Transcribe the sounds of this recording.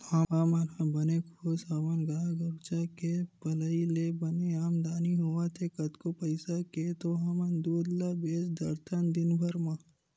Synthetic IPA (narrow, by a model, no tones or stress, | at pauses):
aaːmanãbɐnekʰoːsaːmanɡaːɡəɾt͡ʃakepɐləilebɐneaːmd̪aːniɦoːʋat̪ʰekɐt̪kopɐɪsaket̪oɦɐmɐnd̪oːd̪labeːsd̪ɐɾt̪ʰənd̪ɪnbʱəɾmã